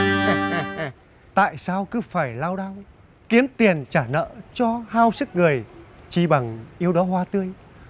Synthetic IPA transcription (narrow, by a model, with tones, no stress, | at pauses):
t̪a̰ː˧˨jsaː˧wkɨ˨˦faː˧˩jlaː˧wɗaː˧w | ki˨˦əmt̪i˨˩ənt͡ɕaː˧˩nə̰ː˧˨t͡ɕɔ˧haː˧wsɨ˦˥k̚ŋɨ˨˩əjt͡ɕi˧˩ɓa˨˩ŋʔi˧əwɗɔ˨˦ɦwaː˧t̪ɨ˧əj